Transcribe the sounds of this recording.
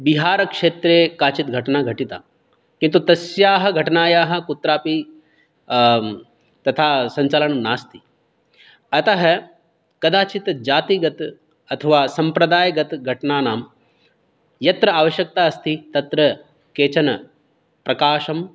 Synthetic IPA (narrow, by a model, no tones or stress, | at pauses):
biɦaːɾɐkʂeːt̪ɾeːkaːt͡ʃit̪ɡʱɐʈnaːɡʱɐʈit̪a̰ː | kĩnt̪ut̪ɐsjaːɦɐ̆ɡʱɐʈnaːjaːɦɐ̆kut̪ɾaːpi | t̪ɐt̪ʰaːsɐɲt͡ʃaːlɐnɐmnaːst̪i̥ | ɐt̪ɐɦɐ | kɐd̪aːt͡ʃit̪d͡ʒaːt̪iɡɐt̪ | ɐt̪ʰɐʋaːsɐmpɾɐd̪aːjɐɡɐt̪ɡʱɐʈnaːnaːm | jɐt̪ɾɐaːʋɐʃjɐk̚t̪aːɐst̪ʰit̪ɐt̪ɾɐ | keːt͡ʃɐnɐ | pɾɐkaːʃɐm